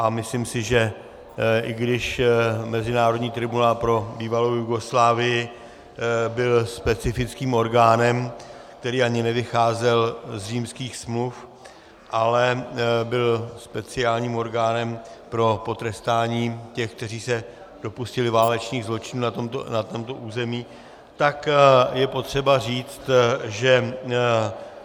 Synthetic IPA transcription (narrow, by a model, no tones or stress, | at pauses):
ʔamɪslimsɪʒɛ | ʔɪɡdɪʃmɛzɪnaːɾodɲiːt̪ɾɪbunaːlpɾo̞biːvalowjuɡo̞slaːvɪjɪ | bɪlspɛt͡sɪfɪt͡skiːmo̞ɾɡaːnɛm | k̚t̪ɛɾiːʔaɲɪnɛvɪxaːzɛlzriːmskiːxsmluf | ʔalɛbɪlspɛt͡sɪaːlɲiːmo̞ɾɡaːnɛmpɾo̞po̞t̪ɾɛst̪aːɲiːcɛxk̚t̪ɛr̝iːsɛ | d̥o̞puscɪlɪvaːlɛt͡ʃniːɣzlo̞t͡ʃɪnuːnat̪omt̪o̰nat̪o̞mt̪o̞ʔuːzɛmiː | t̪akjɛpo̞t̪r̝̥ɛbariːt͡st̪ʒɛ